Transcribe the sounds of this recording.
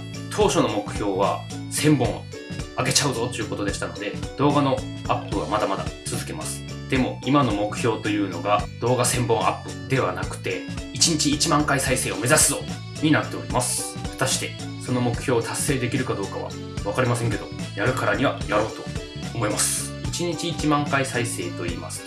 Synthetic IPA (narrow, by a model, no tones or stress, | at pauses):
t̪ʰo̞ːɕo̞no̞mo̞kɯ̟̥çʲo̞ːβasẽ̞mbõ̞ɰ | aɡe̞t͡ɕaɯ̟zo̞t̪o̞jɯ̟ko̞t̪o̞d̪e̞ɕi̥t̪ano̞d̪e̞d̪̥o̞ːɡano̞ | apːɯβa̰mad̪amad̪a̰t͡sɨzɨke̞ma̰sɨ̥ | d̪̥e̞mo̞̰imano̞mo̞kɯ̟̥çʲo̞ːt̪o̞jɯ̟ːno̞̰ɡad̪̥o̞ːɡasẽ̞mbõ̞ŋ̃ʔa̰pːɯ̟d̪̥e̞βa̰nakɯ̟̥t̪e̞ | it͡ɕiɲ̟it͡ɕiːt͡ɕimãŋkaisaise̞ːo̞me̞zasɨzo̞ː | ɲ̟inat̪ːe̞o̞ɾʲimasɨ̥ | ɸɯ̟t̪aɕi̥t̪e̞ | so̞no̞mo̞kɯ̟̥çʲo̞ːt̪ʰasːe̞ːd̪e̞kʲiɾɯ̟kad̪o̞ːkaβa̰ | βakaɾʲimas̬ẽ̞ŋke̞d̪o̞̰jaɾɯ̟kaɾaɲ̟iβajaɾo̞ːt̪o̞̰ | omo̞imasɨ̥ | it͡ɕiɲ̟it͡ɕiːt͡ɕimãŋkaisaise̞ːt̪o̞ḭːma̰sɨ̥